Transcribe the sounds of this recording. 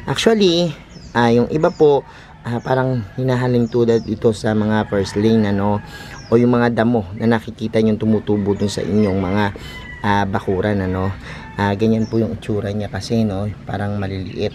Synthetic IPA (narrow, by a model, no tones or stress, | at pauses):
ʔak̚t͡ʃʊɐli | ʔajʊŋʔɪbapo̞ʔ | ʔapaːɾɐŋhɪnaːɦɐlɪŋt̪uːd̪ɐd̪ɪt̪o̞sɐmɐŋafɛɹslɪjnɐno̞ʔo̞jʊŋmɐŋad̪ɐmo̞nʔɐnɐkɪkiːt̪ɐɲoŋt̪ʊmut̪uːbod̪ʊnsɐ̰ʔɪ̰ɲːo̞ŋmɐŋa | ʔabɐkuːɾɐnɐno̞ | ʔaɡɐɲanpojʊŋɪt͡ʃuːɾɐɲakɐsɛno̞pa̰ːɾɐŋmɐlɪlɪ̰ʔɪt̪̚